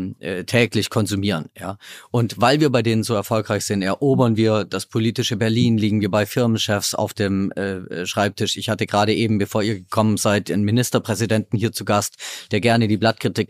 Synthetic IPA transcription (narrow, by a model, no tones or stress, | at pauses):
ɛtʰɛːklɪçkʰɔnzumiːʁənjaːʔʊntvaɪlviːɐbaɪdeːnənzoːɛɐfɔlkʁaɪçz̥ɪntɛɐʔoːbɐnviːɐd̥aspʰoliːtɪʃəbɛɐliːnliːɡŋ̩viːɐbaɪfɪɐmənʃɛfsa̰ʊfd̥eːmɛːʃʁ̥aɪp̚tʰɪʃɪçhatəɡʁaːɾəʔeːbm̩bəfoːɐiːɐɡəkʰɔmənzaɪtanmɪnɪstɐpʁ̥ɛzidɛntn̩hiːɐt͡suɡastd̥eːɐɡɛɐnədiːblat̚kʁ̥itʰɪk̚